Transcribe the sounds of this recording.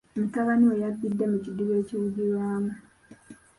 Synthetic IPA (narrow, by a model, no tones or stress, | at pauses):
mitaβaniejaɡːidːemuciduβe̞ːciwuɟiɾwaːmu